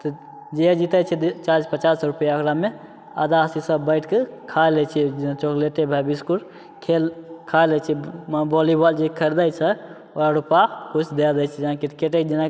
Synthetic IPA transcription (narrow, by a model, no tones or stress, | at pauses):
t̪ɔ | d͡ʒed͡ʒit̪ət͡ʃʰɛd̪t͡ʃad͡ʒpət͡ʃasɾupjaɔkɾame | əd̪asisə̃bbəɪʈʰkekʰaelɛt͡ʃʰit͡ʃokleʈebʱabiskuɾ | kʰelkʰalɛt͡ʃʰɛbɔlibald͡ʒekʰəɾd̪ajt͡ʃʰə | oaɾupakut͡ʃʰd̪ed̪at͡ʃʰid͡ʒãkiʈkeʈed͡ʒinã